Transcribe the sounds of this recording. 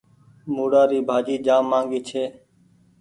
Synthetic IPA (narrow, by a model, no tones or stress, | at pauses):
muːɽaːɾiːbʱaːd͡ʒiːd͡ʒaːmːaːŋɡiːt͡ʃʰeː